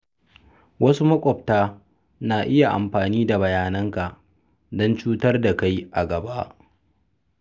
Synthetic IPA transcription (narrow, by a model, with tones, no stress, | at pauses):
wɐ˦su˦mɐ˦kʷʼɔ˨p̚taː˦ | naː˨ʔɪ˦ja˨ʔa̰˨mɸaː˨niː˦da˨bɐ˨jaː˨nɐ˦ŋka˨ʔ | dɔ˦nt͡ʃuː˦tɐ˦rda˨ka˦jʔa˨ɡɐ˨ba˦ʔ